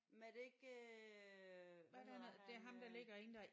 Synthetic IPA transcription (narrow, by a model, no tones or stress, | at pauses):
med̥eeɡ̥ | d̥eænð̩ˠd̥e̝æɐɦɑ̈md̥ɑ̈le̝ɡ̥ɐeːn̩d̥æ